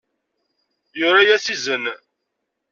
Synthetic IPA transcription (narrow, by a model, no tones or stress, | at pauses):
jʊɾajæsizən